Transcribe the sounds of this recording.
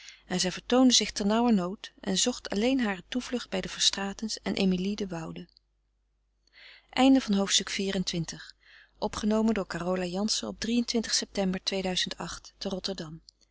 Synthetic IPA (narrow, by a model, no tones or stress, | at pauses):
ɛnzɛjvəɹtowndəzɪχtɛɹnɑwəɹnowtʔɛ̰nzɔχtʰɑ̰lejnɦaːrətuvlɵχd̚bɛjdəv̥əɹstraːtənsɛnʔḛjmilidəʋɑwdə | ʔɛjndəvɑnɦowftstɵkfiːrəntʋɪntəχ | ʔɔpχənowməndʊːɹkaːrolajɑnsəɔb̚drijəntʋɪntə̥χsɛp̚tɛmbəɹtʋejdœɥzəntɑ̰χtːərɔtəɹdɑm